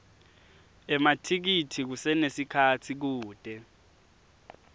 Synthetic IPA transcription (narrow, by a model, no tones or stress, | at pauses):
ɛmatʰik̬itʰik̬usɛnesikʰatʰik̬uːd̥ʱɛ